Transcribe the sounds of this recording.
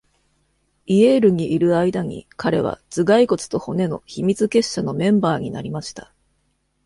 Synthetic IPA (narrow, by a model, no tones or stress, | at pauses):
ie̞ːɾɯ̟ɲ̟iʔːɾɯ̟aid̪aɲ̟ḭkaɾe̞̰βa̰t͡sɨɡaiko̞t͡sɨ̥t̪o̞ho̞ne̞no̞̰çimʲit͡sɨke̞ɕːano̞mẽ̞mbaːɲ̟ina̰ɾʲimaɕi̥t̪ḁ